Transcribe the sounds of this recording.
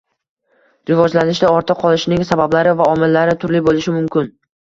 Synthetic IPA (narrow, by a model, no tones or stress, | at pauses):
ɾɪvɒd͡ʒlanɪʃd̪aɒɾt̪ʰɨqʰɒlˠɪʃnɪŋsabablaɾɪvaɒmɪlːaɾɪt̪ʰʊɾlɪbolɪʃɪmʊmkʲɪn